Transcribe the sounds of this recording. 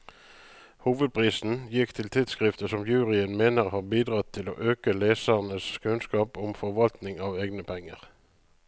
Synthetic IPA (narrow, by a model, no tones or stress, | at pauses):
huːʋəd̪̚pʰʁiːsn̩jɪkt̪ʰɪlt̪ʰɪd̪skʁɪft̪əsɔmjʉːʁɪənmeːnəʁhɑːʁbiːd̪ʁɑt̪ʰːɪlo̰ːʔøːkəleːsəʁnəskʰʉnskɑːpʊmfɔʁʋɑlt̪nɪŋɑːʋeːɡnəpʰɛŋːəʁ